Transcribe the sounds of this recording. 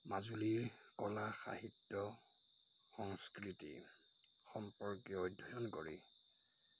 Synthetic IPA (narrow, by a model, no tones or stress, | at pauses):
mazuliɹkɔlaxa̰ɦitːɔ | xɔŋskɹitḭ | xɔmpɔɹkjɔɔjdʱːɔjɔnko̰ɹḭ